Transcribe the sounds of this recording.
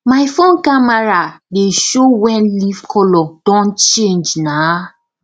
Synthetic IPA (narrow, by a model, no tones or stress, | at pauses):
maɪfõnkamaɹadeʃowɛnlivkʰɔlɔd̥ɔ̃nt͡ʃẽnd͡ʒna